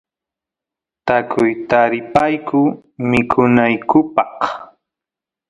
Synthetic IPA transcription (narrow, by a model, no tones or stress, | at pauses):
t̪akʰʊjt̪aɾɪpajkʊ | mɪkʰʊnajkʊpɑq